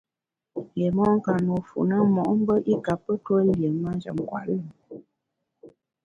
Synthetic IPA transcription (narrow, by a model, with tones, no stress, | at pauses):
je˨mɔ˦ŋ̩˦ka˨no˨fṵ˨nə˦mɔ˨ʔm̩˦bə˦ʔi˦ka˨pːə˦twə˦ljə˨ma˦nd͡ʒə̰˨m˨kwa̰˨ʔlə˦˨